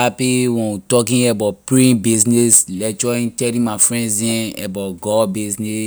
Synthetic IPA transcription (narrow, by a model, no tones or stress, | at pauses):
apiwɔ̃witɔkĩɛbapɹĩbiznɛslɛt͡ʃɔĩtɛlĩmafɹɛ̃nzɛ̃ɛ̰baɡɔbiznɛ